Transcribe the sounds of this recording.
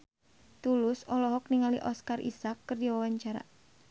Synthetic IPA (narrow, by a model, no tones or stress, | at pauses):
t̪ulʊsɔlɔɦɔk̚niŋaliʔɔskarʔḭsakːərd͡ʒawawaɲt͡ʃaɾa̰